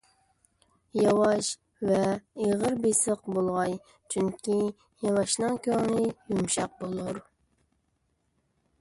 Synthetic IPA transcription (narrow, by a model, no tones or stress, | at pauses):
jɑwɑʃ | vɛeʁəɾbesəq̚bolˠʁɑj | t͡ʃʰyŋkʲi | jɑwɑʃnɨŋkʲøŋnɪjumʃɑq̚bolˠuɾ